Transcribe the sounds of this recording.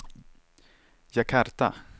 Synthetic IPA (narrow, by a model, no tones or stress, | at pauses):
jakʰaɾt̪a̰